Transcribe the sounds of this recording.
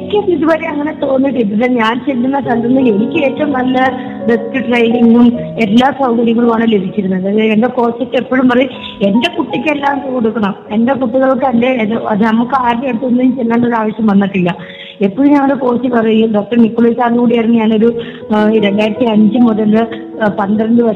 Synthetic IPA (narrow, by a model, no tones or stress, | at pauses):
kʲːeniðuʋɐɾeɐŋːɐne̞t̪o̞ːnːiʈːɨiɐðɐɲaːnt͡ɕe̞lːunːɐt̪ɐlːunːɨle̞nikʲːɨe̞ːtːɐʋumnɐlːɐ | ɖeskuʈrɐjɖiŋɡume̞lːaːsɐwkɐɾjɐŋːɐɭumaːɳɨle̞bʱit͡ɕːiɾunːuɐðɐendeko̞ːt͡ɕːɐtːe̞pːoɻumpɐrɐj | e̞ndekuʈːikʲːelːaːd̪ɐko̞ɽukːɐɳɐme̞ndekuʈːiɣɐɭok̬ːɨɐndeɐðɨnɐmukːaːɾneeɽut̪ːuonːuint͡ɕelːaːɳɖo̞ɾuaːʋɐɕjɐmʋɐnːɐʈːilːɐ | e̞pːoɻumɲɐŋːɐɽeko̞ːt͡ɕːipɐrɐjuɖo̞ːk̚ʈɐrnikːoɭesaːrkuːɽijɐriŋːijaːɳoɾu | ɾe̞ɳɖaːjɾɐt̪ːiɐɲd͡ʑɨmuðɐlɨ | pɐnd̪iɾɐɳɖɨʋɐ